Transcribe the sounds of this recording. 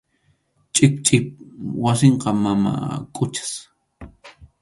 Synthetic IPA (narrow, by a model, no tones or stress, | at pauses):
t͡ʃʼɪp̚t͡ʃʼɪp̚waseɴqɑmama̰kʼʊt͡ʃḁs